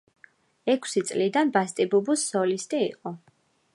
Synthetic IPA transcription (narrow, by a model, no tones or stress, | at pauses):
ɛkʰsit̪sʼlid̪anbast̪ʼibubusːɔlist̪ʼiiqʼɔ